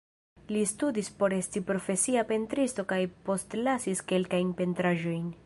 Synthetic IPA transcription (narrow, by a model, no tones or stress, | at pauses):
listudispo̞ɾe̞stipɾo̞fe̞siape̞ntɾisto̞kajpo̞stlasiske̞lkajnpe̞ntɾaʒo̞jn